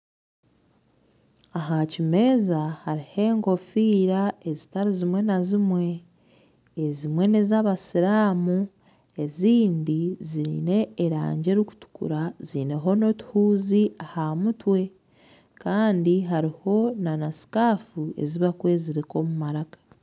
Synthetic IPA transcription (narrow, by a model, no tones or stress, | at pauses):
aɦacime̞ːzahaɾihe̞ːŋɡo̞fiːɾae̞zitaɾizimwe̞nazimwe̞ː | zimwe̞nezaβasiɾaːmu | e̞ziːndiziɾine̞ːɾa̰ːɲɟe̞ɾiku̥tu̥kṵɾazine̞ɦo̞no̞tu̥huːziahamutwe̞ | kaːndiɦaɾiho̞nanasi̥kaːfue̞̰ziβakwe̞ːziɾiko̞mumaɾakḁ